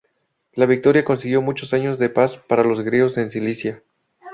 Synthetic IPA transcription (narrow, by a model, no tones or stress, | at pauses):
laβik̚t̪o̞ɾjako̞nsiɣjo̞mũt͡ʃo̞saɲo̞zðe̞paspaɾalo̞zɣɾeosensilisja